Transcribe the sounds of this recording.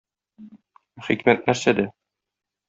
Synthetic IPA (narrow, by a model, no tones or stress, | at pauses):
χikmæt̪̚næɾsæd̪æ